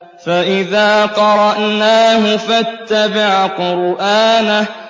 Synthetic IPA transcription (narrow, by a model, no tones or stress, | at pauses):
faʔɪðaːqɑɾˤɑʔnaːɦʊfat̪ːabɪʕqʊɾʔaːna